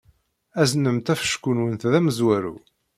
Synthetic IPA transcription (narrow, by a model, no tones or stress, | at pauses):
æznəmt̪æfə̥ʃkunwənθðæməzwæɾṵ